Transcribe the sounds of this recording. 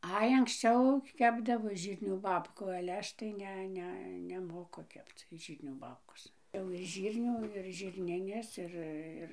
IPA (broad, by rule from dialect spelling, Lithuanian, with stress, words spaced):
ˈɐɪ ɐŋksʲˈt͡ʃʲɛʊ ˈkʲæːbdɐʋoː ˈʒʲiːrʲnʲuː ˈbɑːpkuː ɐlʲɛ ˈɐʃ tɐɪ ˈnʲɛ ˈnʲɛ nʲɛˈmoːkʊ ˈkʲɛpt͡s ˈʒʲiːrʲnʲuː ˈbɑːpkoːs jɛʊ ɪʃ ˈʒʲiːrʲnʲuː ɪr ʒʲɪrʲˈnʲɪnʲɛs ˈɪr ˈɪr